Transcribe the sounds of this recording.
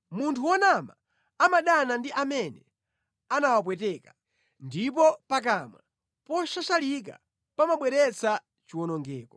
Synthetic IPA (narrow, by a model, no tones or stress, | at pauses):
muntʰuwɔnama | amaɗanandiʔamɛnɛ | anawap̬wɛtɛka | ndip̬ɔpak̬ama̰ | pɔʃat͡ʃalik̬a̰ | pamaɓwɛɾɛt͡sʰa | t͡ʃiwɔnɔŋɡɛːkɔ̥